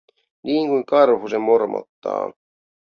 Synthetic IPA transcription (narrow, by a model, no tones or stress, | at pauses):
nʔiːŋkujŋkɑrhusemːormo̰t̪ːɑ̰ː